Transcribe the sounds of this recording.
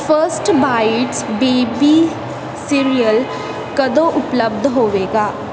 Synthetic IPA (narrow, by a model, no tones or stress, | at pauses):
pʰəɾsʈbaːɪʈsbeːbiː | siːɾijəl | kəd̪õːʔʊpləb̚d̪ʱɦoːʋeːɡaː